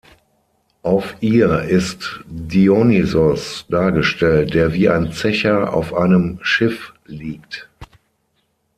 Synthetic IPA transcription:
ʔaʊfʔiːɐɪstdiɔnizɔsd̥aːɐɡəʃtʰɛlt̚d̥eːɐviːʔa̰ɪnt͡sɛçɐa̰ʊfʔaɪnəmʃɪfliːkt

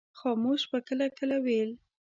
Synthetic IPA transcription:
xɑmoʃbakəlakəlawel

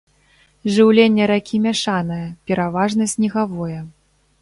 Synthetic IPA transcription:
ʐɨwlʲenʲːɛɾakʲʰimʲaʂanɨjɛpʲɛɾavaʐnɐsʲnʲɛɣavɔjɛ

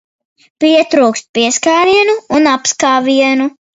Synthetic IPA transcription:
piɛt̪ɾuːkst̪̚piɛskaːɾiɛnuːnapskaːviɛnu

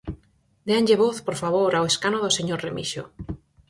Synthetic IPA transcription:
d̪eaɲʲʎeβoθpoɾfaβ̞oɾaoweskanoðoseɲoɾremḭʃo̰

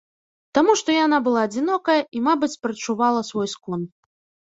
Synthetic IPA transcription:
t̪amuʂt̪ɔjanabɨlˠaːd͡zʲinɔkɐjɐʔimabɨt͡sʲpɾɐt͡ʂuvalˠɐsvɔjskɔn

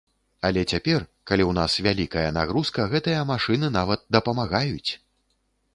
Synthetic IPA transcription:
ɐlʲɛt͡sʲapʲɛrkalʲiwnasvʲalʲikɐjɐna̰ɣɾuskɐɣɛt̪ɨjɐmaʂɨnɨnavɐt̪̚d̪ɐpɐmaɣajut͡sʲ

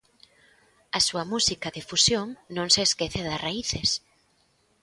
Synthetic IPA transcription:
ɐsuɐmusikɐðefusjoŋnõŋseːskeθeðɐsraiθes

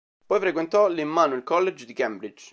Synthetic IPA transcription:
pɔjfɾekwent̪ɔlimːaːnoilkɔlːed͡ʒd̪ikɛmbɾid͡ʒ

